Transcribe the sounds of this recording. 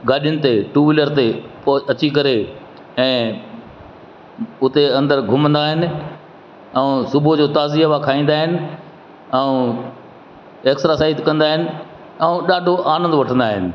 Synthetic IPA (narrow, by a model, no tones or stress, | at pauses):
ɡaːɗijʊnɪ̆t̪eʈuːʋɪləɾt̪epɐt͡ɕikɐɾe | ɛ̃ː | ʊt̪eɐ̃nd̪əɾɡʱʊmə̃nd̪aːɦɪnɪ̆ | ɛsʊbʱod͡ʑoːt̪aːziɦəʋakʰaːĩːn̆d̪aːɦɪnɪ̆ | ɛũ | eːksɾasaːit̪kɐ̃nd̪aːɦɪnɪ̆ | ɛũɗaːɖʱoʔaːnə̃nd̪ʋɐʈʰə̃nd̪aːɦɪnɪ̆